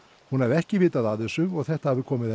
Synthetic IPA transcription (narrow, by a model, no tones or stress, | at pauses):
hunhavɛhcɪvɪːt̪aðaðɛsʏɔɣθɛht̪ahavɪkʰɔːmɪðɛ